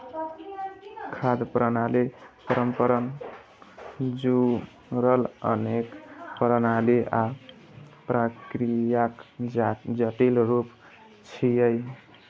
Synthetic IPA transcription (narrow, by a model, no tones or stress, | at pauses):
kʰad̪pɾənalipəɾəmpəɾən | d͡ʒu | ɾələ̰nekpəɾənalia | pɾəkɾijak | d͡ʒəʈilɾup | t͡ʃʰijəj